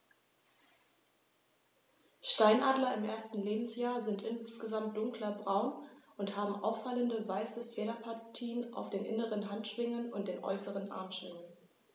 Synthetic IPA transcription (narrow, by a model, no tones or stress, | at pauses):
ʃtaɪnʔaːdlɐɪmʔeːɐstn̩leːbm̩sjaːɐzɪntʔɪnsɡ̥əzamt̚d̥ʊŋklɐbʁaʊnʔʊnthaːbm̩ʔaʊfaləndəvaɪsəfeːɾɐpʰaɐtʰiːəna̰ʊfd̥eːnʔɪ̰nəʁənɦantʃv̥ɪŋənʊntd̥eːnʔɔ̰ʏsəʁənʔa̰ɐmʃv̥ɪŋən